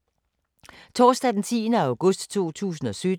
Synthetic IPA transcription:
t͡sʰɒːsd̥ɛd̥n̩t͡sʰḭːnəæ̈ʊɡ̥ɔsd̥t͡sʰo̝̰ːt͡sʰṵːsn̩ɒ̽sød̥

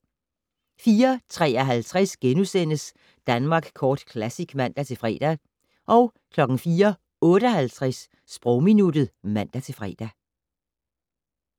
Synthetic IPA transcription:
fiːɐt͡sʰʁɛ̰ːɒɦælt͡sʰʁɛsɡ̥enusen̰əs | d̥ænmɑ̈ːɡ̥kʰɒːd̥kʰlæsiɡ̥mæn̰d̥æt͡sʰe̝lfʁɛ̰ːd̥æ | ʔɒ̽ʊ | kʰlɒ̽ɡ̥n̩fiːɐ | ɔ̽ːɾ̥əɒhælt͡sʰʁasː | b̥ʁɔʊminud̥ð̩ˠmæn̰d̥æt͡sʰe̝fʁɛ̰ːd̥æ

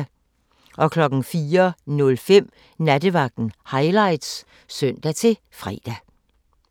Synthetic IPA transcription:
ʔɒ̽kʰlɒ̽ɡ̥n̩fiːɐnɔ̽lfem̰ | næd̥əʋɑ̈ɡ̥̚d̥n̩hɑ̈ɪlɑ̈ɪd̥s | sœn̰d̥æt͡sʰe̝ | fʁɛ̰ːd̥æ

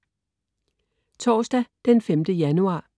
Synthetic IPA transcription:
t͡sʰɒːsd̥æd̥enfemd̥əjænuɑ̰̈ː

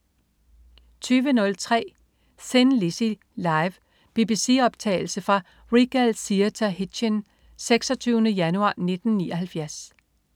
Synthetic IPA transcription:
t͡sʰyːʋənɔ̽lt͡sʰʁɛ̰ː | senlisi | lɑ̈ɪʋ | b̥ib̥isiɒ̽b̥̚t͡sʰɛ̰ɪl̩səfʁɑ̈ | ʁiɡ̥ælsit͡sʰæhi̥ɕən | seɡ̥sɒt͡sʰyːʊnəjænuɑ̰̈ːne̝d̥n̩niːɒhælfjæɐs

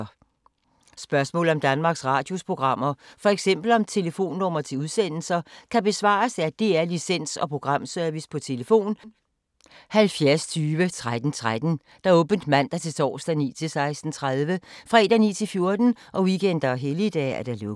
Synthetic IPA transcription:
sb̥ɶɐsmɔ̰ːl̩ˠɒ̽md̥ænmɑ̈ːɡ̥sʁɑ̈ːd̥jo̝spʰʁo̝ɡ̥ʁɑ̈m̰ɐfɒ̽eɡ̥sem̰b̥l̩ɒ̽mt͡sʰe̝ləfo̝̰ːnːɒmɐt͡sʰe̝uð̞ˠsen̰l̩sɐkʰæb̥e̝sʋɑ̰̈ːsæd̥e̝æɐlisen̰sɒ̽pʰʁo̝ɡ̥ʁɑ̈m̰søɐʋispʰɒ̽t͡sʰe̝ləfo̝̰ːn | hælfjæɐst͡sʰyːʋət͡sʰʁad̥n̩t͡sʰʁad̥n̩ | d̥ɑ̈ɔ̽ːb̥ən̩d̥mæn̰d̥ɑ̈t͡sʰe̝t͡sʰɒ̰ːsd̥æniːt͡sʰe̝lsɑ̈ɪsd̥n̩t͡sʰʁaðˠʋəfʁɑed̥ænit͡sʰe̝lfjo̝ɐd̥n̩ʔɒ̽ʋikʰen̰d̥ɐɦelid̥ɛ̰æɐd̥ælo

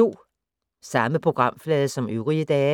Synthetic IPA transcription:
o̝̰ː | sɑ̈məpʰʁo̝ɡ̥ʁɑ̈m̰flɛːðˠəsɒ̽møʊʁiəd̥ɛː

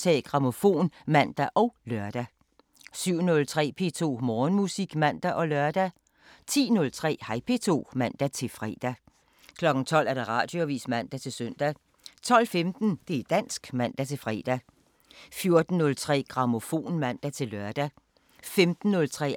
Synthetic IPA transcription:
t͡sʰɛ̰ɡ̥ʁɑ̈mo̝fo̝̰ːnmæn̰d̥æʔɒʊlɶɐd̥æ | syʊ̰nɔ̽lt͡sʰʁɛ̰ːpʰe̝̰t͡sʰo̝̰ːmɒːnmusiɡ̥mæn̰d̥æʔɒ̽lɶɐd̥æ | t͡sʰḭːnɔ̽lt͡sʰʁɛ̰ːhɑ̈ɪpʰe̝t͡sʰo̝̰ːmæn̰d̥æt͡sʰe̝lfʁɛ̰ːd̥æ | kʰlɒ̽ɡ̥n̩t͡sʰɒ̽l̰æɐɾ̥eʁɑ̰̈ːd̥joʋḭːsmæn̰d̥æt͡sʰe̝søn̰d̥æ | t͡sʰɒ̽l̰femd̥n̩d̥e̝æd̥æn̰sɡ̥mæn̰d̥æt͡sʰe̝fʁɛ̰ːd̥æ | fjo̝ɐd̥n̩ːɔ̽lt͡sʰʁɛ̰ːɡ̥ʁɑ̈mo̝fo̝̰ːnmæn̰d̥æt͡sʰe̝lːɶɐd̥æ | femd̥n̩ːɔ̽lt͡sʰʁɛ̰ː

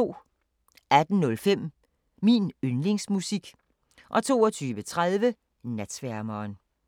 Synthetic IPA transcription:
o̝̰ː | æd̥n̩nɔ̽lfem̰ | minønle̝ŋsmusiɡ̥ | ʔɒ̽t͡sʰo̝̰ːɒt͡sʰyːʋət͡sʰʁað̞ˠʋə | næd̥sʋæɐ̰mɐːn

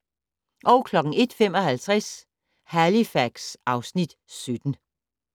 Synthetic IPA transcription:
ʔɒ̽ʊkʰlɒ̽ɡ̥ŋ̩e̝d̥femɒ̽hælt͡sʰʁɛs | hælifæɡ̥sɑ̈ʊsnid̥ | sød̥n̩

